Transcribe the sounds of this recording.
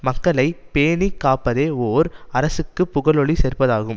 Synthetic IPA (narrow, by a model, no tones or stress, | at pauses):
mɐkːɐɭɐɪpeːnikːaːpːɐðeːoːɾɐɾɐsɯkːɯpːʊɣɐɭɔɭiseːrpɐðaːɣɯm